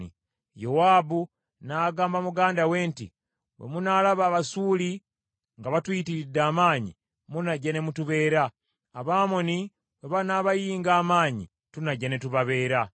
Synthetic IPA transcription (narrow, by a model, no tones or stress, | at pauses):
ḭ | jowaːbu | naɡaːmbamuɡaːndawe̞ːntḭ | βḛmunalaβaːβasuːli | ŋɡaβatwitiɾidːaːmaːɲḭ | munaɟane̞mutuβe̞ːɾaː | βaːmo̞ni | βeβanaːβajiːŋɡaːmaːɲḭ | tunaɟane̞tuβaβe̞ːɾa